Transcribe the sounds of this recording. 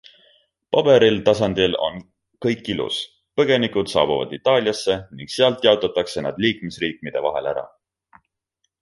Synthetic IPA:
pɑb̥e̞ɾilt̪ɑsɑnd̪ilo̞̰n | kɤjkːilṵs | pɤɡ̥e̞nikud̪̥sɑ̰ːb̥uvɑ̰d̪it̪ːˑɑːlʲjɑsːe̞niŋɡ̥seɑlt̪ˑjɑot̪ːˑɑt̪ˑːɑkse̞nɑd̪̥liːkˑmesriːk̚mid̪̥e̞vɑɦe̞̰læ̰ɾɑ̰

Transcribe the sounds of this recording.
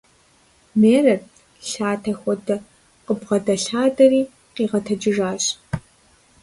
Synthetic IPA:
meːrɐt | ɬaːtʰɐxʷɔdɐ | qəbʁɐdɐɬaːdɐriː | qiːʁɐtʰɐd͡ʒɪʒaːɕʼ

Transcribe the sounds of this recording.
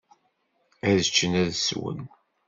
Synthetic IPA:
æðət͡ʃːənæðswə̰n

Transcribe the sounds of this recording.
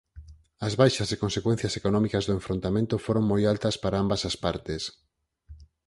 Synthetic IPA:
ɐzβajʃɐzekõnsekwẽn̟θjɐsekonɔ̃mikɐzðʊẽɱfɾont̪amẽnt̪ʊfoɾoŋmojalt̪ɐspaɾaambɐsɐspaɾt̪es

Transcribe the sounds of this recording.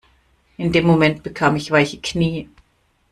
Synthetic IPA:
ʔɪndeːmːomɛnt̚b̥əkʰaːmɪçv̥aɪçə̥kʰniː

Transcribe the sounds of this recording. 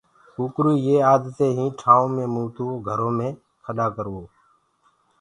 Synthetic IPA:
uːkɾuːjeːaːd̪t̪eːɦĩːʈʰaːõːmẽːmũːt̪oːɡʱəɾõːmẽː | kʰəɗaːkəɾʋoː

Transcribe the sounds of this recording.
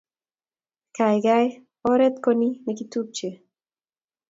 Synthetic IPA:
kajɡaj | ɔɾɛt̪koninɛkit̪up̚t͡ʃe

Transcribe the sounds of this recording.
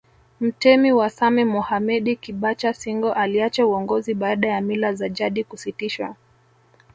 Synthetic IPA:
m̩tɛmiwasamɛmɔhamɛɗikiɓat͡ʃasiŋɡɔʔaliat͡ʃauɔŋɡɔziɓaaɗajamilazaʄaɗikusitiʃwa̰

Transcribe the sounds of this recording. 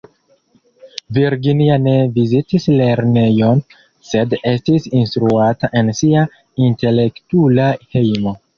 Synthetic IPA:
viɾɡiniane̞vizitisle̞ɾne̞jo̞n | se̞de̞stisinstɾuataʔe̞nsia | inte̞le̞ktulahe̞jmo̞

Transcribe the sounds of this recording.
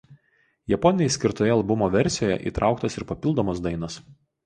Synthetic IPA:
jɛpɔnʲɪnʲɛɪsʲkʲɪɾt̪oːjɛɐlˠbʊmoːʋʲɛɾʲsʲɪjoːjɛ̰ʔḭːˑt̪ɾʔɑˑʊkt̪ɐsɪɾpɐpʲɪlˠd̪oːmos̬d̪ɐɪnɐs

